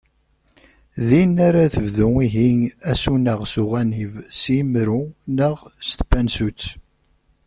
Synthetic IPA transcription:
ðinaɾaθəvðuiɦiŋæsunəʁsuʁænivsimɾunəʁst̪bænsut͡sː

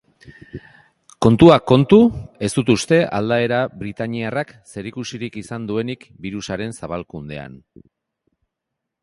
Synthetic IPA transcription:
ko̞nt̪uako̞nt̪ue̞sd̪̥ut̪ust̪e̞ʔald̪ae̞ɾaβɾit̪aɲiarakse̞ɾikusiɾikisand̪ue̞nikbiɾusaɾe̞nsaβalkund̪e̞a̰n

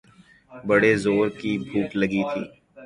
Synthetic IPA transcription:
bɐɽezoːɾkibʱuːʈləɡit̪ʰḭː

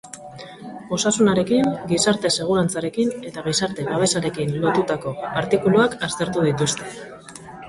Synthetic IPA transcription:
o̞sasunaɾe̞kiŋɡisaɾt̪e̞se̞ɣ̞uɾant͡saɾe̞kine̞t̪aɣ̞isaɾt̪e̞βaβ̞e̞saɾe̞kinlo̞t̪ut̪ako̞aɾt̪ikuluakast̪e̞ɾt̪uðit̪ust̪e̞

